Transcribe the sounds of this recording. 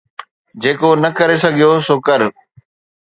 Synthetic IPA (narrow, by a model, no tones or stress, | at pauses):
d͡ʑeːkonɐkɐɾesɐɡʱijosokɐɾ